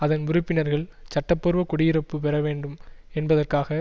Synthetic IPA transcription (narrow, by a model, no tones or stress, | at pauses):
ɐðɐnʊɾɯpːɪnɐɾɣɐɭt͡ʃɐʈːɐpːɔɾɯʋɐkɔɽɪjɪɾɐpːɯpɛɾɐʋeːɳɖɯmɛnbɐðɐrkaːɣɐ